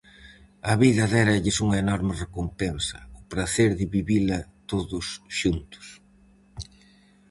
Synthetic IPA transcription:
ɐβiðɐðɛɾɐʎɪsuŋɐenɔɾmɪrekompɛnsɐ̥̰ʊpɾaθeɾðɪβiβilɐt̪oðʊsʃunt̪ʊ̥s

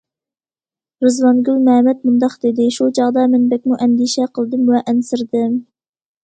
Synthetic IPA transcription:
ɾɨzwɑnɡʲylmɛmɛt̪̚mund̪ɑqd̪ɪd̪ɪʃut͡ʃʰɑʁd̪ɑmɛnbɛk̚ʲmuʔɛnd̪iʃɛqʰəlˠd̪ɨmwɛʔɛnsɪɾd̪ɪm

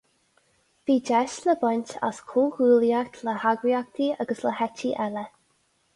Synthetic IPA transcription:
v̥iːd͡ʒɛʃləbənʲta̰skʰuːɡuːljakt̪ʰləhaɡɾiakt̪ʰiaɡəsləhɛt͡ʃiʔɛlə

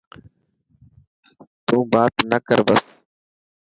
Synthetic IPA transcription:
t̪ũːbaːt̪nəkəɾbəs

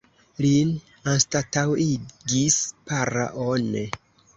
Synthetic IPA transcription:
lin | anstatawiɡispaɾa̰ʔone

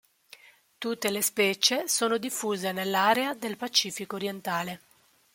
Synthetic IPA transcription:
t̪ut̪ːelespɛːt͡ʃesoːnod̪ifːuːzenelːaːɾead̪elpat͡ʃiːfikoːɾjent̪aːle

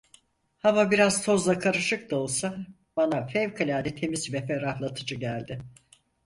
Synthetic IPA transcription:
hamabiɾaz̥t̪ʰo̞zlˠakʰaɾɯʃɯk̚t̪ao̞lˠsa | b̥anafɛvkʰalʲaːd̪ʲɛt̪ʰe̞mizvɛfɛɾahlˠat̪ʰɯd͡ʒɯɟælʲd̪ɪ

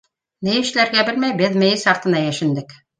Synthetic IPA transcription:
mɘjɘ̆ʃ̆læɾɡæbɘlmæjbɘðmɘ̆jɘsɑqt̪ɤ̆nɑjæʃɘ̆nd̪ɘk

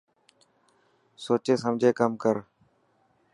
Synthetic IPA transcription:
soːt͡ʃeːsəmd͡ʒʱeːkəmkəɾ

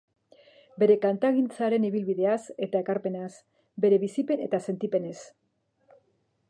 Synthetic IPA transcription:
be̞ɾe̞kant̪aɣint͡saɾe̞niβ̞ilβiðe̞ase̞t̪ae̞kaɾpe̞nas | be̞ɾe̞β̞isipe̞ne̞̰t̪ase̞nt̪ipe̞ne̞s

